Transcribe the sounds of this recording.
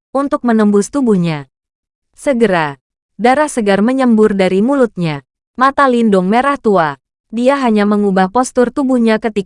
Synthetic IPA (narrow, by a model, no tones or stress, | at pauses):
unt̪ʊk̚mənəmbʊst̪ubuhɲa | səɡəɾa | daɾahsəɡarməɲəmbʊrdaɾimulʊt̪̚ɲa | mat̪alindʊŋmeɾaht̪ua | diaɦaɲaməŋubahpɔst̪ʊrt̪ubuhɲakət̪i